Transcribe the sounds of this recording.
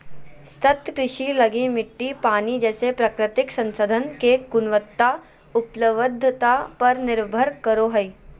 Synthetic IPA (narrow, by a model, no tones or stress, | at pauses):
st̪ət̪kɾɪʃilɐɡẽmɪʈːipaːnid͡ʒɛːsepɾəkɾɪt̪ɪksɐ̃nsəd̪ʱənkekʊnʋət̪ːa | ʊpləʋəd̪ʱːət̪apɐɾnɪɾbʱəɾkəɾoɦəi